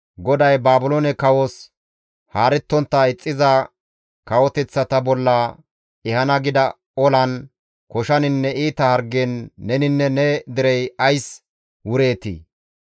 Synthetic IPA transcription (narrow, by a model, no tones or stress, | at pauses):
ɡɔd̪ɐjbaːbʊlonɛkɐwos | haːɾɛt̪ːɔnt̪ːɐɪt͡sʼːɪzɐ | kɐwɔt̪ɛt͡sːɐt̪ɐbɔlːɐ | ɛhɐnɐɡɪd̪ɐ | ɔlɐn | kɔʃɐnɪnːɛiːt̪ɐhɐɾɡenːɛnɪnːɛnɛd̪ɪɾɛjɐjs | wʊɾe̞ːt̪ḭː